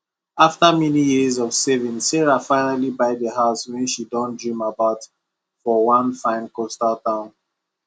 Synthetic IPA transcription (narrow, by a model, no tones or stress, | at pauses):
aftamɛnijizɔv̥sɛvĩnsɛɹafãɪnalibaɪðəɦaʊswɛ̃nʃidɔ̃ndɹĩmabaʊt | fɔwãnfãɪ̃nkostaltãʊ̃n